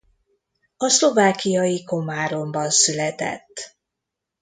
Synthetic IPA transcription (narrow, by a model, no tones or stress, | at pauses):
ɒslo̞vaːkijɒjiko̞maːɾo̞mbɒnsylɛt̪ɛ̰t̪ː